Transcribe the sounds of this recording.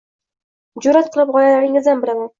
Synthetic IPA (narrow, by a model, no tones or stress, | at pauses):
d͡ʒʊɾat̪̚qʰɨlˠɪp̚ʁɒjalaɾɪŋɪzd̪anbɪɾaman